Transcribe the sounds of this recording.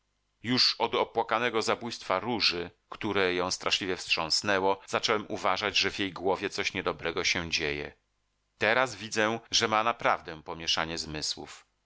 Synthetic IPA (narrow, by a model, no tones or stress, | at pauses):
juʂɔd̪ɔpwakanɛɡɔzabujst̪faɾuʐɘkt̪uɾɛjɔ̃w̃st̪ɾaʂlʲivʲjɛfstʂɔ̃w̃snɛwɔz̥at͡ʂɔwɛmʔuvaʐad͡ʑʐɛvʲjejɡwɔvʲjɛt̪sɔɕɲɛd̪ɔbɾɛɡɔɕɛd͡ʑejɛ̰ | t̪ɛɾazvʲid̪zɛʐɛmanapɾavd̪ɛ̃pɔmʲjɛʂaɲɛzmɘswṵf